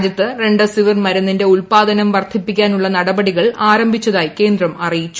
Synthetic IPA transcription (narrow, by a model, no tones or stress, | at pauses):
d̪jɐt̪ːɨre̞ɳɖɨsiʋirmɐɾɐnːinde̞uɭpaːd̪ɐnɐmʋɐrt̪ʰipːikʲːaːnuɭːɐnɐɽɐbɐɽiɣɐɭaːɾɐmbʱit͡ɕːɐðaːjike̞ːnd̪rɐmɐrijit͡ɕːu